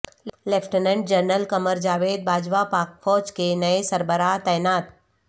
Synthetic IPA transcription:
lepʰʈənə̃ɳɖ̚d͡ʒəɾnəlkɐməɾd͡ʒaːʋeːd̪̚bʱaːd͡ʒʋapaːk̚fɔːt͡ʃkenɐesɐɾbəɾaːɦt̪ɛːjnaːt̪

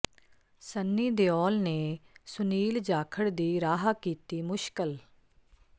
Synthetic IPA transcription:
sənːiːd̪eːɔːlneːsʊniːld͡ʒaːkʰəɽd̪iːɾaːɦakiːt̪iːmʊʃkəl

